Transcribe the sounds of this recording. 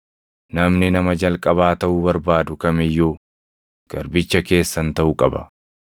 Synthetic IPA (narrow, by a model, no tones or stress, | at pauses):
nɐmnɪnɐmɐd͡ʒɐlkʼɐβaːt̪ɐʔʊbɐɾbaːd̪ʊkɐmɪjːuː | ɡ̥ɐɾbɪt͡ʃːɐke̞ːsːɐnt̪ɐʔʊkʼɐbɐ̰